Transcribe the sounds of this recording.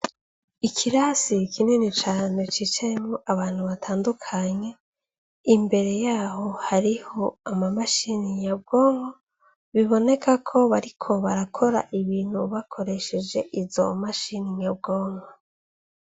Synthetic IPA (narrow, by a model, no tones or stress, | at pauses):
ikʰiɾasikʰinenit͡ʃaːne̞t͡ʃiːt͡ʃajemŋoʔaβaːn̥huβatʰaːndukʰaɲe̞ | imbe̞ɾe̞jaːho̞haɾiho̞amamaʃiniɲab̚ɡoːŋɡo | βiβo̞ne̞kʰakʰo̞βaɾikʰo̞βaɾakʰo̞ɾa̰ʔiβiːn̥huβakʰo̞ɾe̞ʃe̞d͡ʒe̞ʔizo̞̰maʃiniɲab̚ɡo̞ːŋɡo